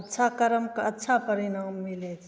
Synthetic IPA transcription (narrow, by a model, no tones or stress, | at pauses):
ətːt͡ʃʰakəɾəmkɐtːt͡ʃʰapəɾinaːmːilet͡ʃ